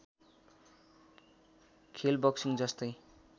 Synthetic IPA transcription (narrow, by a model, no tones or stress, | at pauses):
kʰelbʌksiŋd͡zʌst̪ʌj